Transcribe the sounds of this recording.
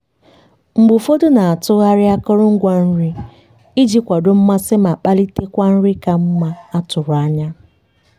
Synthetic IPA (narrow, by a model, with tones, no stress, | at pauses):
ŋ͡m̩˨ɡ͡bʊ˨fo˦do˦na˨a˨tʊ˦ɣa˦ɾɪ˦a˦kʊ˦ɾʊ˦ŋ̩˦ɡʷa˦n̩˦ɾi˦ | i˦d͡ʒi˦kʷa˨do˦m̩˦ma˦sɪ˦ma˨k͡pa˦li˦te˦kʷa˦n̩˦ɾɪ˦ka˨m̩˦ma˦a˦tʊ˨ɾʊ˨a˦ɲa˦